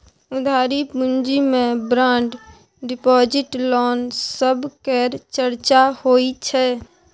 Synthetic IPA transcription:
ʊd̪ʱaːɾipund͡ʒimẽbɾãːɳɖ | ɖɪpɔːd͡ʒɪʈlɔːnsəbkeɾt͡ʃəɾt͡ʃahoːit͡ʃʰɛ

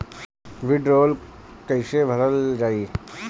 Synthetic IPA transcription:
ʋɪɖɾoːlkəɪsebʱəɾəld͡ʒaːi

